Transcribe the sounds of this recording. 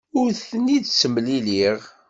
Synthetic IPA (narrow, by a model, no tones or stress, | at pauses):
ʊɾθənidt͡sːəmliliʁ